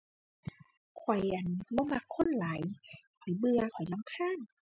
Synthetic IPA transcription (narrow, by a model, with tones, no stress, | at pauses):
kʰwɔ˨˩jʔa˨˩nbɔː˧˦ma˧˩kʰːo˧˥˨nlaː˨˦jkʰɔ˨˩jbɯ˧ɐkʰɔ˨˩˦jla˧˦mkʰaː˧˥˨n